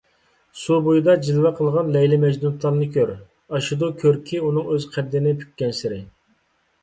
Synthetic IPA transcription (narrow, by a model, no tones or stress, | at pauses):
subujd̪ɑd͡ʒilwɛqʰəlˠʁɑnlɛjlɪmɛd͡ʒnut̪ʰlˠɑɾnɨkʲʰøɾ | ɑʃud̪ukʲʰøɾkʲʰiunɨŋøz̥qʰæd̪ːɪnɪpʰy̥kʲːɛnsɪɾɪ